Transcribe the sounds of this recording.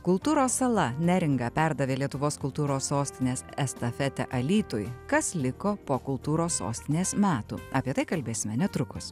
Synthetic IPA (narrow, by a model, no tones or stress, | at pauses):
kʊlˠt̪uːɾoːsːɐlˠɐnʲɛɾʲɪŋɡɐːpʲæɾd̪ɐʋʲeːlʲiɛt̪ʊʋoːskʊlˠt̪uːɾoːsːoːsʲt̪ʲɪnʲeːsɛst̪ɐfʲɛt̪ʲɛ̰ʔɐlʲiːt̪ʊjkɐslʲɪkoːpoːkʊlˠt̪uːɾoːsːo̰ːsʲt̪ʲɪnʲeːsmʲæːt̪ṵːɐːpʲiɛt̪ɐɪkɐlʲbʲeːsʲɪmʲɛnʲɛt̪ɾʊkʊs